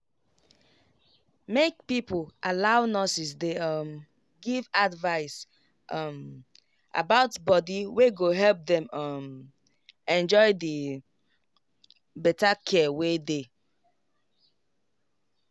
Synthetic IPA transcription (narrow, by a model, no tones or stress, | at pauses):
mekpipolʔalaʊnɔsis̬deʌm | ɡivadvaɪs | ʔʌm | ʔa̰baʊtbɔdiweɡoɦɛlp̚ðɛ̃mʌm | ɛ̃nd͡ʒɔɪðə | bɛtakʰɛwede